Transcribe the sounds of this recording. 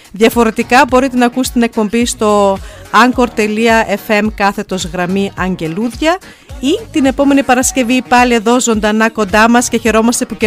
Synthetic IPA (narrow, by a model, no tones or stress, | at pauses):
ðjɐfo̞ɾe̞t̪ikɐbo̞ɾit̪enɐkuse̥t̪ine̞k̚po̞mbist̪o̞ɐŋko̞ɾt̪e̞liɐʔe̞fe̞mkɐθe̞t̪o̞zɣɾɐmiʔɐɲɟe̞luðʝɐ | it̪ine̞po̞me̞nipɐɾɐsce̞vipɐlie̞ðo̞zo̞nd̪ɐnɐko̞nd̪ɐmɐsce̞çe̞ɾo̞mɐst̪e̞puc